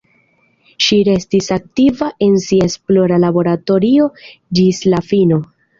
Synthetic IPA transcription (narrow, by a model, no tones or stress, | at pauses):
ʃiɾe̞stisak̚tivaʔe̞nsiaesplo̞ɾalabo̞ɾato̞ɾio̞d͡ʒislafino̞